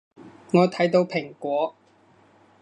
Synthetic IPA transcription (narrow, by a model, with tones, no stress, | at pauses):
ŋɔː˨˧t̪ʰɐ˨˥jt̪o˨˧wpʰɪ˨˩ŋkʷɔː˨˥